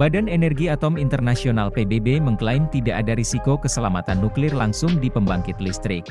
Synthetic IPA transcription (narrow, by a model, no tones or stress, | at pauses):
badanenɛrɡiat̪ɔmint̪ərnasionalpebebeməŋklaɪmt̪idaʔadaɾisikokəsəlamat̪anːuklɪrlaŋsʊŋdipəmbaŋkɪt̪list̪ɾɪk̚